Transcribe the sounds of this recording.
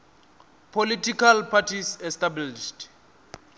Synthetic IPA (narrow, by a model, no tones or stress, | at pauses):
pʰolitʰikʰalpʰatʰisɛstabliʃd